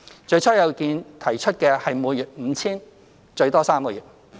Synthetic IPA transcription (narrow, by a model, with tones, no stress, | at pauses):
t͡ʃɵ˧ɥt͡sʰɔː˥jɐ˨˧wkiː˧nt̪ʰɐ˨˩jt͡ʃʰɵ˥t̚kɛː˧hɐ˨jmuː˨˧njyː˨˩t̚m̩ː˨˧t͡sʰiː˥n | t͡ʃɵ˧ɥt̪ɔː˥saː˥mkɔː˧jyː˨t̚